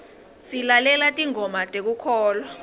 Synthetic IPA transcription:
silalɛlatʼiŋʱɔmatʼek̬ukʰɔːlɔ

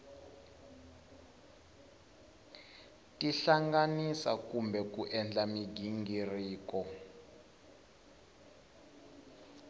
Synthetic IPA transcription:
tʼiɬaŋɡanisakumbʱɛk̬ʼuʔɛnd͡ɮamiɡʱiŋɡʱiriːkʼɔ

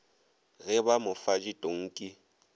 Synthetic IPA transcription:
ɣɛbamʊfad͡ʒitʼoŋ̩kʼi

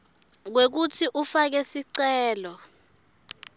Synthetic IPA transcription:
k̬wek̬utʰiʔufak̬esiǀɛːlɔ

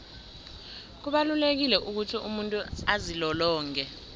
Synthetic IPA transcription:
k̬uɓalulek̬ilɛʔuk̬utʰiumuntʼuazilɔlɔːŋkɛ

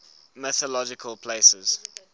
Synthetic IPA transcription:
mɪθəlɔd͡ʒɪkʰəlˠpʰl̥eɪsəz̥

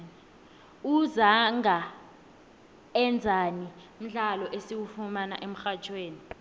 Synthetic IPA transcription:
uzaŋa | ɛnd͡zʱani | m̩ɮalɔʔesiwufumana̰ʔem̩xḁt͡ʃʰʼweːni

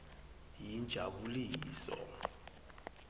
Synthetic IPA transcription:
jind͡ʒʱaɓuliːsɔ̰

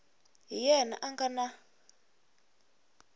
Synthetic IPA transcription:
ɦijɛna̰ʔaŋɡana

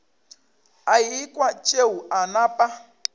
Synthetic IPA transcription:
ajikʼwat͡ʃʼeuʔanapʼa

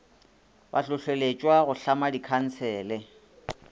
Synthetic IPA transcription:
ba̰ɬʊɬelet͡ʃʼwaɣʊɬamadikʰan̩t͡sʰɛːlɪ

